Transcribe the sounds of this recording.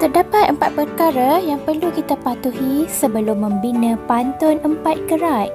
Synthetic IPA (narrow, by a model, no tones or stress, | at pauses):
t̪ərdapat̪̚əmpat̪̚pərkaɾajaŋpərlukit̪apat̪uhisəbəlʊmːə̃mbinə̃pant̪ɔnəmpat̪̚ɡəɾat